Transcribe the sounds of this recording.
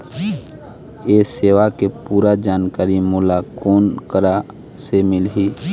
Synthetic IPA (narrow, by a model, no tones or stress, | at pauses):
eːseːʋakepuːɾad͡ʒaːnkaːɾimulakoːnkəɾa | semɪlɦi